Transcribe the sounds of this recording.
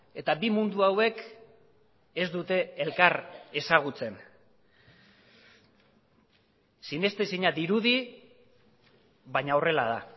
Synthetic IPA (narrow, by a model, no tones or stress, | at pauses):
e̞t̪abimund̪uawe̞k | e̞zd̪ut̪e̞ːlkaɾe̞saɣ̞ut͡se̞n | sine̞st̪esiɲad̪iɾuði | βaɲao̞re̞laða